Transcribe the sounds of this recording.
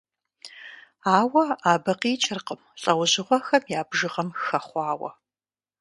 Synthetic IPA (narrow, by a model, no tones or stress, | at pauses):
aːwɐaːbɐqiːt͡ʃʼɪrqəmɬʼɐwʑɪʁʷɔxɐmjaːbʒɨʁɐmxɐχʷɑːwɐ̰